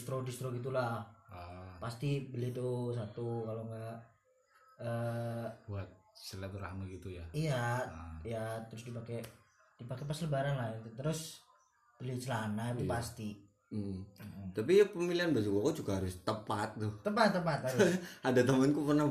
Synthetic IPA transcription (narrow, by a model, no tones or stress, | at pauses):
st̪ɾodist̪ɾoɡit̪̬ulah | past̪ibəlit̪us̬at̪ukaloŋɡaʔ | əbuat̪̚səlat̪uɾa̰ŋaɡit̪ujaiaijat̪əɾʊsdipake | d̥ipakepasləbaɾanlahit̪ut̪əɾʊs | b̥əlit͡ʃəlanaupast̪i | t̪apiapəmiliɦanbad͡ʒukakud͡ʒuɡaɦaɾʊst̪əpat̪̚ːʊt̪ːəpat̪ːəpat̪haɾadat̪amankupərnah